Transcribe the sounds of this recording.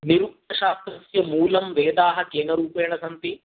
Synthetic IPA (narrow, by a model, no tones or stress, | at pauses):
niɾuk̚t̪ɐʃaːst̪ɾɐsjɐmuːlɐmʋeːd̪aːɦɐkeːnɐɾuːpeːɳɐsɐnt̪i